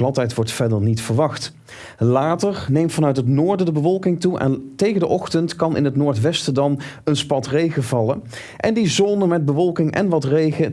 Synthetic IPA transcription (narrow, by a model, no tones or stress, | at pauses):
lɑtɛjtʋɔɹtfɛdəɹnitfəɹʋɑχt | laːtəɹnejmfɑnœɥtɦətnoːɹdədəbəʋɔlˠkɪŋtuʔɛ̰ntejχədəʔɔχtəntkɑnʔɪ̰nɦətnʊːɹtʋɛstədɑnənspɑtrejχəvɑlə | ʔɛndizonəmɛd̚bəʋɔlˠkɪŋʔɛ̰nʋɑtrejχə